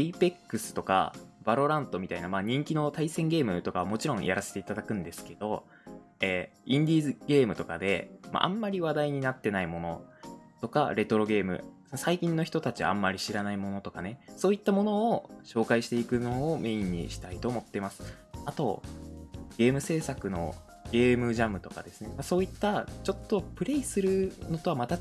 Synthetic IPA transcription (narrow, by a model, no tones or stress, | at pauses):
iipe̞kːɯ̟sɨ̥t̪o̞ka̰b̥aɾo̞ɾãnt̪o̞mʲit̪ainamaːɲ̟ĩŋkʲino̞t̪aisẽ̞ŋɡe̞ːmɯ̟t̪o̞kaβamo̞t͡ɕiɾõ̞ɰ̰̃jʔa̰ɾaset̪e̞it̪ad̪akɯ̟̃nd̪e̞sɨ̥ke̞d̪o̞ | eĩnd̪ʲiːzɨɡ̥e̞ːmɯ̟t̪o̞kad̪e̞̰ma̰ʔã̰mːaɾʲiβad̪aiɲ̟inat̪ːe̞naimo̞no̞̰t̪o̞ka̰ɾe̞t̪o̞ɾo̞ɡe̞ːmɯ̟̰ | saikʲĩnːo̞çi̥t̪ot̪at͡ɕiβa̰a̰mːaɾʲiɕiɾanaimo̞no̞t̪o̞kane̞so̞ːit̪ːamo̞no̞ːɕo̞ːkaiɕi̥t̪e̞ikɯ̟noːme̞iɲ̟ːḭɕi̥t̪ait̪o̞ːmo̞t̪ːe̞masɨ̥ | at̪o̞̰ | ɡ̥e̞ːmɯ̟se̞ːsakɯ̟no̞̰ | ɡ̥e̞ːmɯ̟ʑamɯ̟t̪oka̰d̪e̞sɨne̞maso̞ːit̪ːat͡ɕo̞t̪ːo̞pɯ̟ɾe̞isɨɾɯ̟no̞t̪o̞βamat̪a